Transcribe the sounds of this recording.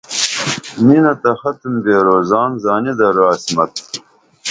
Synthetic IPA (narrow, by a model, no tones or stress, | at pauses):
minɐt̪ɐxɐt̪əmd̪eːɾoːzɑːnzaːnid̪ɐɾaːsmɐt̪̚